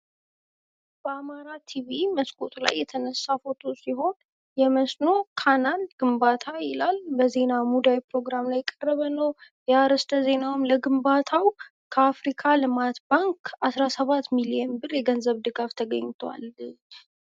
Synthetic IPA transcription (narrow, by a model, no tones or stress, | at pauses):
b̥əamaɾat̪ʰiβiməskʼot̪ʼʰula̰jːɛt̪ʰənəsːafo̞t̪ʰusiɦo̞n | jɛməsno̞kʰananɡɨmbat̪ʰajɪlalbəze̞namud̪awpɾo̞ɡɾamlajɛkʼːərːəβənəw | jaɾəst̪ʰəze̞nawmləɡɨmbat̪ʰaw | kʰəafɾikʰalɨmat̪baŋkasɾasəβat̪milijɛnbɨrjɛɡənzəβd̪ɨɡaft̪ʰəɡə̰ɲːt̪ʰwa̰l